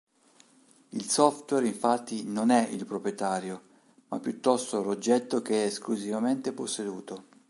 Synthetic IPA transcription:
ilsɔft̪wɛɾiɱfat̪ʰːinonɛilpɾopɾjet̪aːɾjo | ma̰pːjut̪ːɔst̪olod͡ʒːɛt̪ːokeɛːskluzivament̪eposːed̪uːt̪o

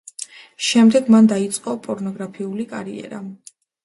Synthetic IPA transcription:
ʃɛmd̪ɛɡmand̪ait̪sʼqʼɔpʼɔɾnɔɡɾapʰiulikʼa̰ɾḭɛ̰ɾa

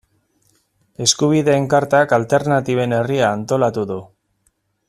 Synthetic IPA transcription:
e̞skuβ̞iðe̞ːŋkaɾt̪akalt̪e̞ɾnat̪iβ̞e̞ne̞riaːnt̪o̞lat̪uðu

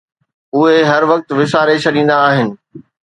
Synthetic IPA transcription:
ʊɦeɦɐɾʋɐk̚t̪ʋɪsaːɾet͡ɕʰɐɗĩːn̆d̪aːɦɪnɪ̆

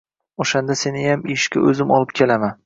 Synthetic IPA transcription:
oʃand̪ase̞nɪjameʃkʲa̰ʔɵzɪmɒlˠɪp̚kʲʰe̞laman

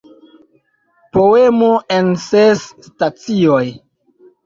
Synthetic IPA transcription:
poemoensesːtat͡sioj

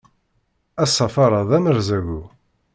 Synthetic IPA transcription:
æsˤːɑfɑɾˤɑðæməɾzæɣu

